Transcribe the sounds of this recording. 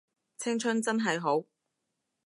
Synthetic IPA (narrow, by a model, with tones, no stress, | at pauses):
t͡sʰɪ˥ŋt͡ʃʰɵ˥nt͡sɐ˥nɦɐ˨jɦo˨˥w